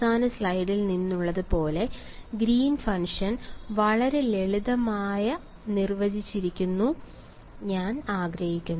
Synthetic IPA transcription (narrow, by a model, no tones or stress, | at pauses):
saːnɐslɐjɖilninːuɭːɐðɨpo̞ːle̞ | ɡɾiːnfɐŋʂɐnʋɐɭɐɾe̞leɭiðɐmaːjɐ | nirʋɐd͡ʑit͡ɕːiɾikʲːunːu | ɲaːnaːɡɾɐhikʲːunː